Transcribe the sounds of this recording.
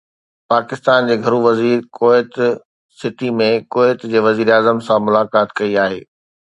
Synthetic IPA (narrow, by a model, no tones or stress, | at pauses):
paːkɪst̪aːnd͡ʑeːɡʱɐɾuʋɐziːɾkoːɪt̪ | sɪʈimẽkoːɪt̪d͡ʑeːʋɐziːɾeaːzəmsãmʊlaːkaːt̪kɐiaːɦeː